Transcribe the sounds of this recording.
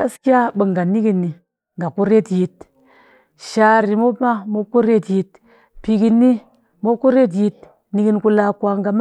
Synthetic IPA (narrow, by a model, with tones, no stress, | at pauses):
ka˦ski˦a˦bə˨ŋɡa˨ni˦ɡi˨nːi˨ | ŋɡa˨ku˦ɾe˦tji˨t̚ | ʃa˨ɾi˨mo˦ma˦mo˦ku˦ɾe˦tji˨t | pi˨ɡi˨nːi˦ | mo˦ku˦ɾe˦t̬ji˦t̚ | ni˦ɡi˦nku˦la˨kwa˨ŋɡa˨m˦